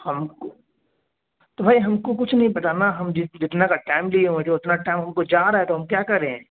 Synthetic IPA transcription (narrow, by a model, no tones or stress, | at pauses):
hɐmko | t̪obʱaːiɦɐmkok̬ʊt͡ʃʰnɐɦĩbɐt̪anaɦɐmd͡ʒɪd͡ʒɪt̪nakaʈaɪmlieɦõet̪ʰeʊt̪naʈaːɪmɦɐmkod͡ʒaːɾaːɦɛt̪oɦɐmkjaːkɐɾeɦɛ̃ː